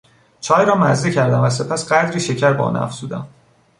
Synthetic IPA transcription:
t͡ʃʰɒːjɾɒːmæzd̪ecʰæɾd̪æmvæse̞pʰæsɢæd̪ɾiːʃe̞cʰæɾbɒ̰ːnæ̰fz̥uːd̪æm

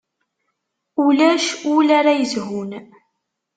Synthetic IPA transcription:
ulæʃʊlaɾajəzɦʊn

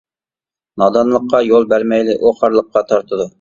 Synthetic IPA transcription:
nɑd̪ɑnlˠəqːɑjolˠbæɾmɛjlɪʔoχɑɾlˠəqːɑt̪ʰɑɾt̪ʰɨd̪u

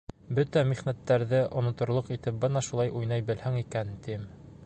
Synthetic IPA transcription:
bɵt̪æmiχnæt̪ːæɾðɘʔŏnŏt̪ŏɾlˠoqit̪ɘp̚bɤnɑʃulˠɑjʔujnɑjbɘ̆lhæŋikænt̪im

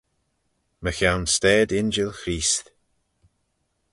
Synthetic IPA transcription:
məxawnstɛːd̪ɪnd͡ʒəlxɾiːst

